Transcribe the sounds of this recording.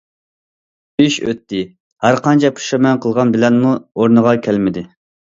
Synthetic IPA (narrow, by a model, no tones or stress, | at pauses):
yʃø̰t̪ːɪ | hæɾqɑnt͡ʃʰɛpʰu̥ʃɑmɛnqʰəlˠʁɑnbɪlɛnmuoɾnəʁɑkʲʰælmɪd̪ɪ